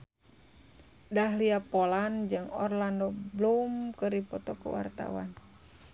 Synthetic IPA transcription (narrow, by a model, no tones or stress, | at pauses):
daɦliapoland͡ʒɨŋɔrlandɔblumkɨɾipɔt̪ɔkṵwa̰rt̪a̰wa̰n